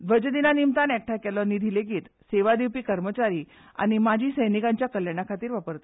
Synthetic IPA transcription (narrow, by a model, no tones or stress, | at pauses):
d̪ʋəd͡ʑd̪inanimt̪anɛk̚ʈʰakɛlɔnːiːd̪ʱileɡiːt̪seʋad̪iwpiːkəɾmət͡ɕaɾiː | a̰ñimad͡ʑʱiːsəjnikaɲt͡ɕjakəljaɽ̃akʰat̪iːɾʋapəɾt̪ḁ